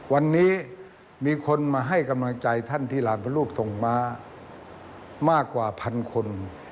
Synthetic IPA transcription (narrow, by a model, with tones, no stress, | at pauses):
wa˧nːiː˦˥ | miː˧kʰo˧nmaː˧ɦa˧˥˩jka˧mla˧ŋt͡ɕa˧jt̪ʰa˥˩˨nt̪ʰiː˥˩laː˨˦npʰa˧˦luː˥˩p̚so˨˩ŋmaː˧ | maː˥˩kːwaː˨˩pʰa˧nkʰo˧n